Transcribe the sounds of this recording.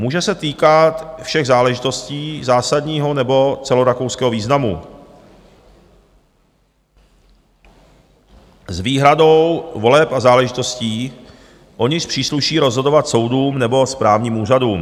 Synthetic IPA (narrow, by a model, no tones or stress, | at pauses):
muːʒɛsɛt̪iːkat̪fʃɛɣzaːlɛʒɪt̪o̞sciːzaːsadɲiːɦonɛbo̞t͡sɛlo̞ɾakowskɛːɦoviːznamṵ | zviːɦɾado̞wvo̞lɛpazaːlɛʒɪt̪o̞sciː | ʔo̞ɲɪʃpr̝̥iːsluʃiːɾozɦo̞dovat̪so̞wduːmnɛbo̞spɾaːvɲiːmuːr̝aduːm